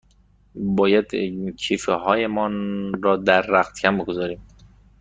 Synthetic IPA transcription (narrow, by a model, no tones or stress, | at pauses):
bɒːjæd̪cʰiːfeɦɒːjemɒːnɾɒːd̪æɾːæxt̪cʰæmboɡozɒːɾiːm